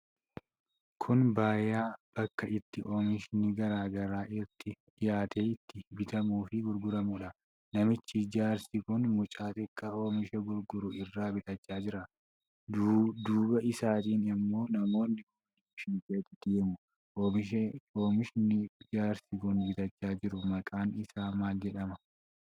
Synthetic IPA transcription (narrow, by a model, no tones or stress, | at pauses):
kʰʊnbaːjaːb̥ɐkːɐɪt̪ːɪʔo̞ːmɪʃɪniɡɐɾaːɡɐɾaːʔɪɾt̪ɪ | jaːt̪eːɪt̪ːɪbɪt̪ɐmuːfɪɡʊɾɡʊɾɐmʊᶑɐ | nɐmɪt͡ʃːɪd͡ʒaːɾsɪkʊnmʊt͡ʃʼaːt̪ʼɪkʼːɐo̞ːmɪʃɛɡʊɾɡʊɾʊɪrːaːbɪt̪ʼɐt͡ʃːaːd͡ʒɪɾɐ | dd̪uːbɐʔɪsaːt̪iːnɪmːo̞ːnɐmo̞ːnːɪʔoːmɪʃɪnkʼeːt̪ːɪd̪̥eːmʊ | ʔoːmɪʃɛo̞ːmɪʃɪnɪd͡ʒaːɾsɪkʊnbɪt̪ɐt͡ʃːaːd͡ʒɪɾʊmɐkʼaːnɪsaːmaːld͡ʒɛᶑɐmɐ